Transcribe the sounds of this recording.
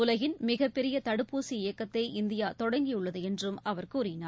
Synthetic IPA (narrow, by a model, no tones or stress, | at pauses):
ʊlɐɣɪnmɪɣɐpːɛɾɪjɐt̪ɐɽɯpːuːsiɪjɐkːɐt̪ːɐɪɪnd̪ɪjaːt̪ɔɽɐŋɡɪjɯɭːɐðɯɛndrɯmɐʋɐɾkuːɾɪnaː